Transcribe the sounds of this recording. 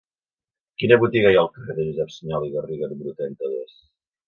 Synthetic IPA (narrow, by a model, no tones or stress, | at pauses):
kinəβut̪iɣajalˠkəfeðəʒuzɛpsəɲɔliɣəriɣəɾbɾut̪ɛnt̪əðes